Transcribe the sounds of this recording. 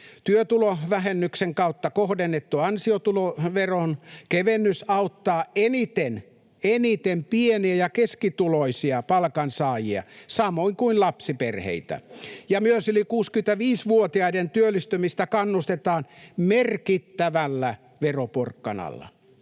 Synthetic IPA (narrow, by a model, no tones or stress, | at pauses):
t̪yøt̪uloʋæhenːykseŋkɑut̪ːɑkohdenːet̪ːuɑnsiot̪uloʋeronkeʋenːysɑut̪ːɑːenit̪en | enit̪empieniæjɑkeskit̪uloisiɑpɑlkɑnsɑːjiɑ̰sɑmoiŋkuinlɑpsiperhḛit̪æ̰jɑmyøsylikuːskym̆t̪æʋiːsʋuot̪iɑident̪yølːˑist̪ymist̪ækɑnːust̪et̪ɑːnmerkit̪ːæʋælːæ | ʋeroporkːɑ̰nɑ̰lːɑ̰